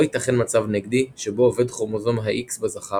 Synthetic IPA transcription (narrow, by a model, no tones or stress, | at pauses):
hit̪aχenmat͡savneɡd̪iʃeboove̞d̪χoʁmozomɦaʔiksbezaχa